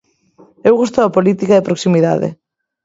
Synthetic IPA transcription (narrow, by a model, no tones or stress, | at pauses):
ewɣust̪ʊɐpolit̪ikaðɪpɾoksimiða̰ðɪ̰